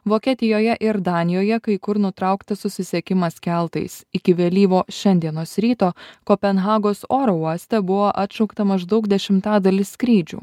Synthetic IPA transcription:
ʋoːkʲiɛt̪ʲɪjoːjɛʔɪɾd̪ɑːnʲɪjoːjɛkɐɪkʊɾnʊt̪ɾɐˑʊkt̪ɐsʊsʲɪsʲiɛkʲɪmɐskʲælˠt̪ɐ̰ɪsɪkʲɪʋʲelʲiːʋoːʃʲɛnʲd̪ʲiɛnoːsɾʲiːt̪oːkoːpʲɛnɣɑːɡoːsoːɾoːuɔsʲt̪ʲɛbʊʋoːʔɐt̪ʲt͡ʃɐʊkt̪ɐmɐʒd̪ɐʊkd̪ʲɛʃʲɪmt̪ɑːd̪ɐlʲɪssʲkɾʲiːd͡ʒʲṵː

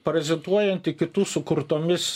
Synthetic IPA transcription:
pɐɾʲɛzʲɛnt̪uɔjɛnt̪ʲɪkʲɪt̪uːsʊkʊɾt̪oːmʲɪs

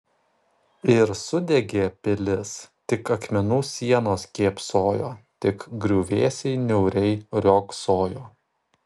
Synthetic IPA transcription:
ɪɾsʊd̪ʲɛɡʲeːpʲɪlʲɪst̪ʲɪkɐkmʲɛnuːsʲiɛnoːskʲeːpsoːjoːt̪ʲɪkɡɾʲuːʋʲeːsʲɛɪnʲɛʊɾʲɛɪɾʲoːksoːjoː

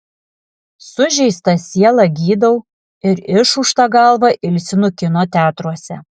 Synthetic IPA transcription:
sʊʒʲɛɪst̪ɐsʲiɛlˠɐɡʲiːd̪ɐʊ | ɪɾɪʃʊʃt̪ɑːɡɐlˠʋɑʔɪlʲsʲɪnʊkʲɪnoːt̪ʲæːt̪ɾuɔsʲɛ̰

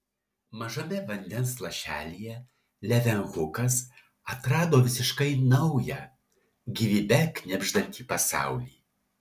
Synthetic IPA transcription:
mɐʒɐmʲɛʋɐnʲd̪ʲɛnslˠɐʃʲæːlʲijɛ | lʲɛʋʲɛŋɣʊkɐs | ɐt̪ɾɑːd̪oːʋʲɪsʲɪʃkɐɪnɐʊjɛ | ɡʲiʋʲibʲɛknʲɛbʲʒd̪ɐnʲt̪ʲiːpɐsɑ̰ˑʊlʲiː

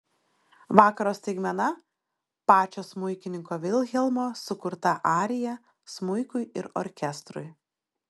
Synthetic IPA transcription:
ʋɑːkɐɾoːst̪ʲɛɪɡmʲɛnɐ | pɑːt͡ʃʲoːsmʊɪkʲɪnʲɪŋkoːʋʲɪlʲˠɣʲɛlˠmoːsʊkʊɾt̪ɐʔɑːɾʲɪjɛ | smʊɪkʊɪɪɾɔ̰ɾʲkʲɛst̪ɾʊ̰ɪ

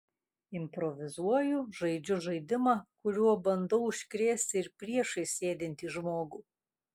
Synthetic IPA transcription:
ɪmʲpɾɔʋʲɪzuɔjʊʒɐɪd͡ʒʲʊʒɐɪd̪ʲɪmɑːkʊɾʲuɔbɐnd̪ɐʊʊʃʲkɾʲeːsʲt̪ʲɪɪɾpʲɾʲiɛʃɐɪsʲeːd̪ʲɪnʲt̪ʲiːʒmoːɡuː

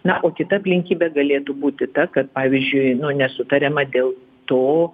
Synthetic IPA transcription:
nɐʔoːkʲɪt̪ɐɐpʲlʲɪŋʲkʲiːbʲɛɡɐlʲeːt̪ubuːt̪ʲɪt̪ɐkɐt̪̚pɑːʋʲɪzʲd͡ʒʲʊɪnʊnʲɛsʊt̪ɐɾʲɛmɐd̪ʲeːlˠ | t̪oː

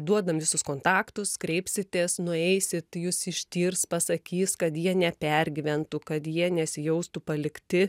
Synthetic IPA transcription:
d̪uɔd̪ɐmʋʲɪsʊskoːnt̪ɑːkt̪ʊskɾʲɛɪpʲsʲɪt̪ʲeːsnʊɛɪsʲɪt̪juːsɪʃʲt̪ʲiːrspɐsɐkʲiːskɐt̪jiɛnʲɛpʲɛrʲɡʲɪʋʲɛnt̪ʊkɐt̪jiɛnʲɛsʲɪjɛʊst̪upɐlʲɪkt̪ʲɪ

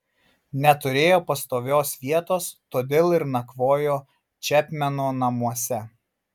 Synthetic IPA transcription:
nʲɛt̪ʊɾʲeːjoːpɐst̪oːʋʲoːsʋʲiɛt̪oːst̪oːd̪ʲeːlˠɪɾnɐkʋoːjoː | t͡ʃʲɛpʲmʲɛnoːnɐmuɔsʲɛ

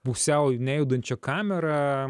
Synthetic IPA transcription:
puksʲɛʊnʲæjɛd̪ɐnʲt͡ʃʲɛkɑːmʲɛɾɐ

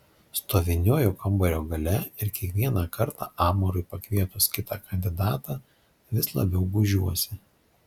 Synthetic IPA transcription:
st̪oːʋʲɪnʲoːjuːkɐmbɐɾʲoːɡɐlʲɛɪɾkʲiɛkʋʲiɛnɑːkɐɾt̪ɑːʔɑːmoɾʊɪpɐkʋʲiɛt̪ʊskʲɪt̪ɑːkɐnʲd̪ʲɪd̪ɑːt̪ɑ | ʋʲɪslˠɐ̰bʲɛʊɡʊʒʲuɔsʲɪ

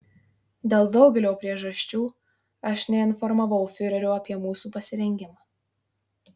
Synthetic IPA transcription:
d̪ʲeːlˠd̪ɒʊɡʲɛlʲoːpʲɾʲiɛʒɐɕʲt͡ʃʲuː | ɐʃnʲɛɪnfɔɾmɐʋɐʊfʲɪɾʲɛɾʲoːɐpʲiɛmuːsuːpɐsʲɪɾʲɛŋʲɡʲɪmɑː

